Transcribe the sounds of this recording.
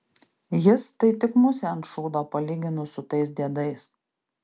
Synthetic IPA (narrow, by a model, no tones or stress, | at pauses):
jɪst̪ɐɪt̪ʲɪkmʊsʲɛɐnt̪ʃɔʊd̪oːpɐlʲiːɡʲɪnʊsʊt̪ɐɪs̬d̪ʲiɛd̪ɐɪs